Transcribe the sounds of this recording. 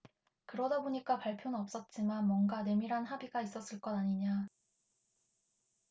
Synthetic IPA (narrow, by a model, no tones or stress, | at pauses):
kɯɾʌdaboɲik͈apaɭpʰjonɯnʌp̚s͈ʌt̚t͡ɕ͈imanmwʌnɡane̞miɾɦanɦabiɡais͈ʌs͈ɯɭk͈ʌnaɲiɲa